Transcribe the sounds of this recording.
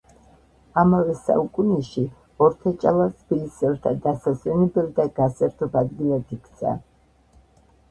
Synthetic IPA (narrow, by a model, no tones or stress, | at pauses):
amavɛsa̰ukʼunɛʃi | ɔɾt̪ʰat͡ʃʼalˠat̪ʰbilisɛvt̪ʰad̪asaswɛnɛbɛld̪aɡasɛɾt̪ʰɔbad̪ɡilˠad̪ikʰt̪sʰa̰